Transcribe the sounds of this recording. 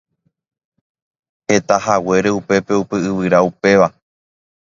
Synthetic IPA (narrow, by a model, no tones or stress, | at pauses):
he̞t̪ahawe̞ɾe̞upe̞pe̞upɨɨʋɨɾaupe̞ʋa